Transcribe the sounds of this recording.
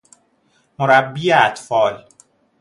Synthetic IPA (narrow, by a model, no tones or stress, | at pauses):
moɾæbːieæt̪fɒːl